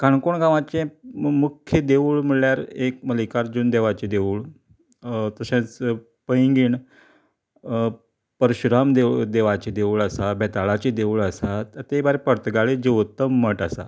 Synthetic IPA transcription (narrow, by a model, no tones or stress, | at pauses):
kaɳkoɳɡãʋãt͡ɕẽmukʰːjəd̪eʋuɭm̤əɭljaɾek̚məlikaɾd͡ʑuːnd̪eʋat͡ɕed̪eʋuːɭ | t̪əɕãt͡s | pəjŋɡiːɳ | pəɾɕuɾamd̪ed̪eʋat͡ɕed̪euɭəsabɛt̪aɭat͡ɕed̪eʋuɭəsat̪ət̪ebaɾepəɽt̪ɡaɭed͡ʑiʋt̪əmːəʈəsa̰